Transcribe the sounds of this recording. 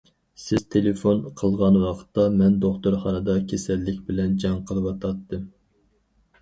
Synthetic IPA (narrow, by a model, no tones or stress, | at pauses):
sɪz̥t̪ʰelefonqʰəlˠʁɑnwɑqʰə̥t̪ːɑmɛnd̪oχt̪uɾχɑnɨd̪ɑkʲʰesɛlːɪkʲbɪlɛnd͡ʒɑŋqʰəlˠɨwɑt̪ʰɑt̪ːɨm